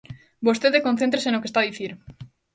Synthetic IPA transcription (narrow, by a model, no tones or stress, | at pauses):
bost̪eðekõn̟θent̪ɾesenokest̪aðiθiɾ